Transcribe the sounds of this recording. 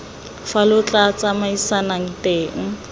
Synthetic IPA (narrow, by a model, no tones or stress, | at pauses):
falʊt͡ɬʼat͡samaisanaŋ̩teːŋ̩